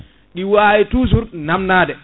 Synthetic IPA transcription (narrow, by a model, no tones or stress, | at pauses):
ɗiwaːitus̬uɾnamnaːdɛ